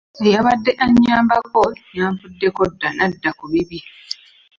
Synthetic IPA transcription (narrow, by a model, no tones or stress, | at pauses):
ejaβadːe̞ʔaɲːaːmbako̞jaːɱvudːe̞ko̞dːanadːakumiβi